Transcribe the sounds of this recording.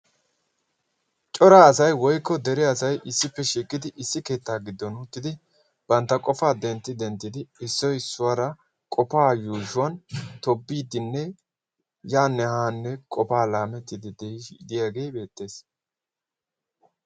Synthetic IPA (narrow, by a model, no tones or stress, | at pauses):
t͡ʃʼɔɾaːɐsɐjwɔjkːɔd̪ɛɾɪɐsɐjʔɪsːɪpːɛʃiːkːɪd̪ɪʔɪsːɪke̞ːt̪ːaːɡɪd̪ːɔnuːt̪ːɪd̪ɪ | b̥ɐnt̪ːɐkʼɔfaːd̪ɛnt̪ːɪd̪ɛnt̪ːɪd̪ɪɪsːɔjɪsːʊwaɾɐ | kʼɔpaːjuːʃʊwɐnt̪ɔbːiːd̪ːɪnːɛ | jaːnːɛhaːnːɛkʼɔfaːlaːmɛt̪ːɪd̪ɪd̪d̪ɪjaːɡe̞ːbe̞ːt̪ːe̞ːs